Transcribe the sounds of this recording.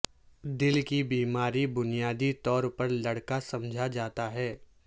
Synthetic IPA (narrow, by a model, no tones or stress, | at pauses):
d̪ɪlkibiːmaːɾibʊnijaːd̪it̪ɔːɾpɐɾlɐɽkasɐ̃md͡ʒʱad͡ʒaːt̪aɦɛː